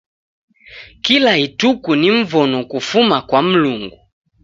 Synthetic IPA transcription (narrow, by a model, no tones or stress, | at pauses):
kilaitukuniɱ̩vɔnɔkufumakwam̩luŋɡu